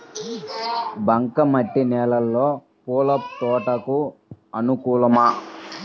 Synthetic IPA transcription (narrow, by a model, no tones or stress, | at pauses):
bɐŋkɐmɐʈːinɛːlɐlːoː | puːlɐp̚t̪ɔːʈɐkuɐnukuːlɐmɐ